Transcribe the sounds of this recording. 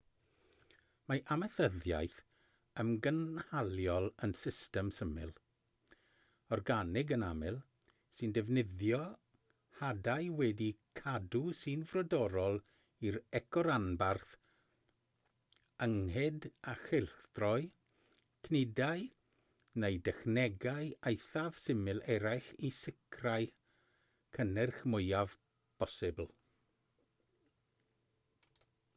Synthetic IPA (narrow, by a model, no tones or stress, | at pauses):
maʔaməθəðja̰jθ | əmɡənhalˠjɔlˠənsɪstɛmsəmɪ̰lˠ | ɔrɡanɪɡənamɪlˠ | sɨndɛvnɪðjɔ | hadajwɛdikʰadusɨnvrɔdɔɾɔlˠ | iɾɛkʰɔɾanbarθ | əŋhɛdaχɪlˠθd̥rɔɨ | kʰnɪdaj | nejdɛxnɛɡajejθav̥sɪmɪlˠɛɾajɬisɪkʰraj | kʰənɛrχmʊjav | pʰɔsɪbl̩ˠ